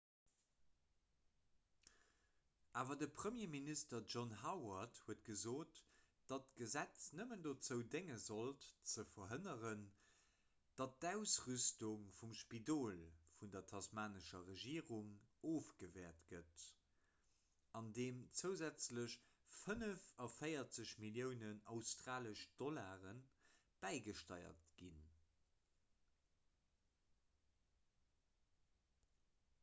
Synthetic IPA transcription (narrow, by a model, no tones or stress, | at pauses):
ʔaːvɐdəpʰχəmjeːministɐʒɔnɦawɐthuətɡ̥əzoːt | d̥ɑtɡ̥əzæt͡snəməndot͡səʊdeŋəzoltt͡səfɐɦənəʁən | d̥ɑt̚dæʊsʁystuŋfumʃpidoːlfundɐtʰɑsmaːnəʃɐʁəʒiːʁuŋoːfɡ̥əvɛːɐtɡət | ɑndeːmt͡səʊzæt͡sləɕ | fənəfɑfɜɪɐt͡səɕmiljəʊnənɑʊstʁaːləʃd̥ɔlaːʁən | b̥æɪɡəʃtɑɪɐ̰tɡ̥in